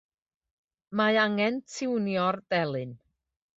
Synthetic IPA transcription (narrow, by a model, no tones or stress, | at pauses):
maaŋɛntʰɪwnjɔrd̥ɛlˠɨn